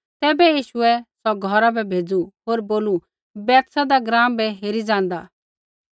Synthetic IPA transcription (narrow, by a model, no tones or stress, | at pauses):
t̪ɛːbɛjiːʃʊɛsɔɡʱɔɾabɛbʱeːd͡zuɦoːɾboːlu | bɛːt̪sad̪aɡɾãːmbɛɦeːɾid͡zãːn̆d̪aː